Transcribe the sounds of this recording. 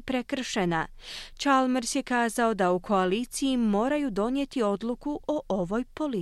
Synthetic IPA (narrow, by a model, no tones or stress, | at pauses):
pɾe̞kr̩ʃena | t͡ʃalmeɾsje̞kaːzao̞d̪aukʰo̞aliːt̪sijimo̞ːɾajud̪o̞nje̞t̪io̞d̪lukuʔo̞ʔo̞ʋo̞jpo̞li